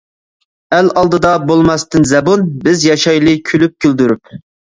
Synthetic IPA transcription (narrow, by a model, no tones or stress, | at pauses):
ælɑlˠd̪ɨd̪ɑbolˠmɑst̪ɨnzɛbonbɪzjɑʃɑjlˠɨkʲʰylyp̚kʲʰøld̪yɾyp